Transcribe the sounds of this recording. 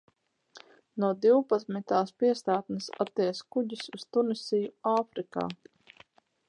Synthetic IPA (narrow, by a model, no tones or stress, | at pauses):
nuɔd̪iwpat̪smit̪aːspiɛst̪aːt̪nɨsat̪ːiɛskuɟisust̪unisijuaːfɾika̰ː